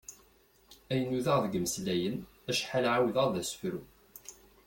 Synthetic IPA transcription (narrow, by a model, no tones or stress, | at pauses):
æjənːuðæʁðɡəməslæjən | æʃħalʕawðəʁðæsfɾu